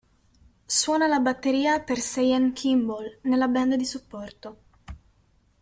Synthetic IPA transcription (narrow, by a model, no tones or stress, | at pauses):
swɔːnalabat̪ːeɾiːapersejaŋkʰimbolnelːabɛnd̪ad̪isupːɔrt̪o